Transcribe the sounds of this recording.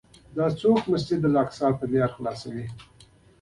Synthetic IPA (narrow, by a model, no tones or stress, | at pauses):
d̪ɑt͡sokməstid̪əlɑksɑlp̪əd̪jɑɾxlɑsawi